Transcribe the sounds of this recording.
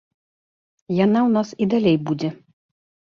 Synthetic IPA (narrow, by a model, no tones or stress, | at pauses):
jɛnɐʊnɔsid̪ɐlʲɛjbuːd͡z̪ʲɛ